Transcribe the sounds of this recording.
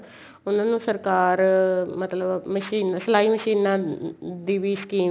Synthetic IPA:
ʊnãːnũːsəɾkaːɾmət̪ləbməʃiːnsəlaːiːməʃiːnãːd̪iːʋiːskiː

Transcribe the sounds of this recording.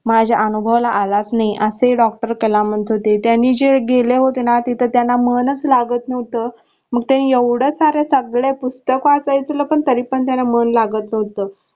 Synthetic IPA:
mad͡ʑʱaʔənubʱəʋlaʔalat͡snaiʔəseɖɔk̚ʈəɾkelamənt̪ɦot̪et̪janːiːd͡ʑeɡeleɦot̪inat̪it̪ʰət̪janamənət͡slaɡət̪nəʋt̪əː | məɡ̚t̪janijəʋɽəsaɾesəɡɭepust̪əkoasajt͡sləːpəɳt̪əɾiːpəɳt̪janamənlaɡət̪nəʋt̪əː

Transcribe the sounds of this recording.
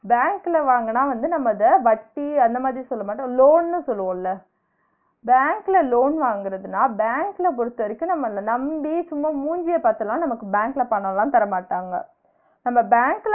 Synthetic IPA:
baːŋkɪlɐʋaːŋɡɐnãːʋɐnd̪ɯnɐmːɐðɐʋɐʈːiɐnd̪ɐmaːd̪ɾisɔlːɐmaːʈ̬ːʊ̃loːnnɯ̃sɔlːɯʋõːlːɐ | baːŋklɐloːnʋaːŋɡɪɾɐðɯnaːbaːŋklɐp̬ɔɾɯt̪ːɯʋɐɾɪkːʊ̃nɐmːɐlɐnɐmbisʊmːɐmuːɲd͡ʒɪjɐpaːɾt̪ɐlãːnɐmɐkːɯbaːŋkɪlɐpɐɳːɐlãːt̪ɐɾɐmaːʈːaːŋɡɐ̰ | nɐmːɐbaːŋkl

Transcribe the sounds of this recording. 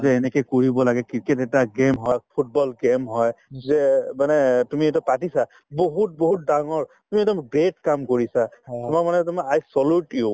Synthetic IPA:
zɛːnɛkɛkoɹibɔlaɡɛkikɛtɛtaɡemɦɔpʰut̚bɔlɡemɦɔjzɛmanɛtumiedɔpatisa | boɦut̚boɦut̚daŋɔɹtumiɛdɔmɡɹetkamkoɹisaʊmaɹmanɛtumaajsɔluʈiu

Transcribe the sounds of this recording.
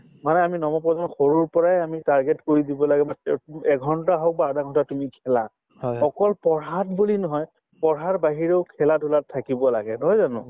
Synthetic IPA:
manɛaminɔmɔpɹɔzanxoɹuɹpɔɹajamitaɹɡɛtkoɹidibɔlaɡɛbaɛɡʱɔntaɦɔk̚baadaɡʱɔntatumikʰɛla | hɔjɔkɔlpɔɹɦatbulinɔɦɔj | pɔɹɦatbaɦiɹeʊkʰɛladʱulatʰːakibɔla̰ɡɛnɔɦɔjzanʊ̰̃

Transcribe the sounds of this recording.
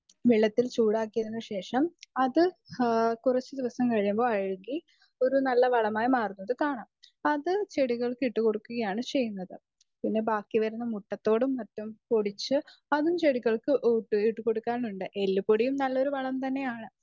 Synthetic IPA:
ʋiɭːɐt̪ːilt͡ɕuːɽaːkːijɐɾunːɐɕe̞ːʂɐmɐðɨ | kurɐt͡ɕːɨd̪iʋɐsɐmkɐɻijumbo̞ːɐɻuŋɡi | o̞ɾunɐlːɐʋɐɭɐmaːjimaːrunːɐðɨkaːɳaːmɐðɨt͡ɕe̞ɽiɣɐɭkɨiʈːukoɽukːuɣɐjaːɳɨt͡ɕe̞jːunːɐðɨ | pinːe̞baːkːiʋɐɾunːɐmuʈːɐt̪ːo̞ːɽumːɐtːumpoɽit͡ɕːɨɐðumt͡ɕe̞ɽiɣɐɭkɨʔʈːɨiʈːuko̞ɽukːaːnuɳɖɨʔe̞lːupːoɽijumnɐlːo̞ɾuʋɐɭɐmt̪ɐnːe̞jaːɳɨ

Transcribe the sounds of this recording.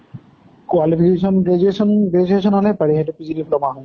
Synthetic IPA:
kwalipʰikesɔnɡed͡ʒuesɔnɡed͡ʒuesɔnɦɔlɛpaɹiɦetʊpizidiplɔmaɦɔ̃j

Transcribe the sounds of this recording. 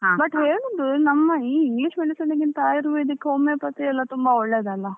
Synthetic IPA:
bɐʈːɦeːɭud̪unɐmːɐiːiŋɡliʂmeɖisɐnɐɡint̪ɐaːjiɾuʋuid̪ikːeɦomepɐt̪ːiɛlːɐt̪umbɐɔɭːeːd̪ɐlːɐ

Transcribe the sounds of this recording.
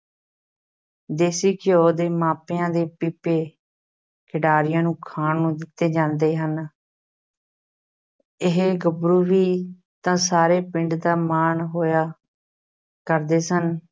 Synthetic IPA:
d̪eːsiːkɪjoːd̪eːmaːpeːãːd̪eːpiːpːeː | kʰɪɖaːɾɪjãːnũːkʰaːɳːũːd̪ɪt̪ːeːd͡ʒãːnd̪eːɦən | ɪɦeɡəbɾuːɾiː | t̪ãːsaːɾeːpɪ̃ɳɖd̪aːmaːɳɦoːjaː | kəɾd̪eːsən

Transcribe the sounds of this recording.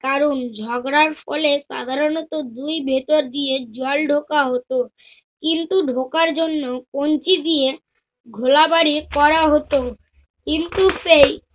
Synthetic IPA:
kaɾond͡ʑʱɔɡɾaɾfɔ̰leʃa̰d̪ʱaɾonɔt̪od̪ujbʱet̪oɾd̪ied͡ʑalɖʱokaɦot̪o | kint̪uɖʱokaɾd͡ʑonːokont͡ɕid̪ie | ɡʱolabaɾikɔɾaɦot̪o | kint̪ufej

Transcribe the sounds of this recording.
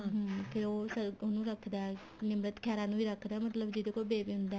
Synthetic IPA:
ɦpʰɪɾoːsəɾonũːɾəkʰd̪aː | nɪmɾət̪kʰɛːɾãːnũːiːɾəkʰd̪aːmət̪ləbd͡ʒɪd̪ekoːbeːbiːɦʊ̃nd̪aː

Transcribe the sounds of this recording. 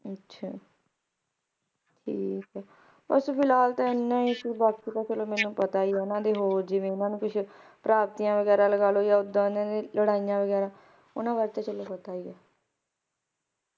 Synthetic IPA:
ətːʃʰaː | ʈʰiːkɦɛː | bə̰ɾsuːpʰɪlaːlt̪ãːɪnːãːiʃbaːkiːt̪aːt͡ʃəloːmɛ̃ːnːũːpət̪aːiːɛːʊnãːd̪eːɦoːɾd͡ʒɪʋẽːɪnãːnũːkɪt͡ʃʰ | pɾaːb̚t̪iːãːʋəɡɛːɾãːləɡaːloːjaːʊd̪ãːnãːd̪eːləɽaːijãːʋəɡɛːɾãː | ʊ̰nãːbaːɾt̪ãːt͡ʃəloːpət̪aːiːɛː

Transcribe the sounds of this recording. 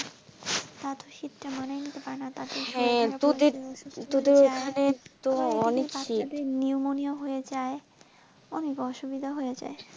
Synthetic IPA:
t̪at̪ʰoʃit̪ʈamanajnit̪epaɾenat̪at̪eɦɛ̃t̪od̪eɾtd̪ud̪eɾokʰanet̪oɔnekaʃid̪eniumonioɦojed͡ʑae | ɔnekɔʃubid̪ʱaɦojed͡ʑa̰e

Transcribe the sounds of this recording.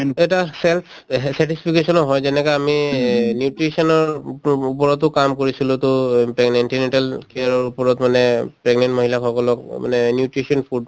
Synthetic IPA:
eʈasɛlpʰ | saʈispʰikesɔnɔɦɔjzɛnɛkaaminjuʈɹisɔnɔɹupɔɹɔt̪ʊkamkoɹisilut̪ʊpɛɡnenʈinɛɳʈalkeaɹɔɹupɔɹɔt̪manɛpɹɛɡnɛnʈmoɦilaxʰɔkɔlɔk̚ma̰nɛnjuʈɹisɔnpʰuɖ

